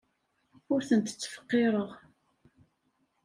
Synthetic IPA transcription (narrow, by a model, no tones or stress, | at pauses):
ʊɾθənt̪ət͡sːə̥fə̥qːeɾəʁ